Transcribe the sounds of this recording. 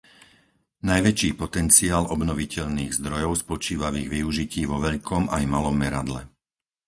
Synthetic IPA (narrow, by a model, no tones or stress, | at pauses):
najʋɛt͡ʃiːpɔt̪ɛnt͡siaːlɔbnɔʋicɛʎniːɣzd̪ɾɔjɔʊspɔt͡ʃiːʋaʋiːɣʋiuʒiciːʋɔʋɛʎkʰɔmajmalɔmːɛɾad̪lɛ